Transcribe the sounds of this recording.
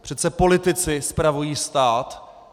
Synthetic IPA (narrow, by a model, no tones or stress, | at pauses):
pr̝̥ɛt̪sɛpo̞lɪt̪ɪt͡sɪspɾavujiːst̪aːt̪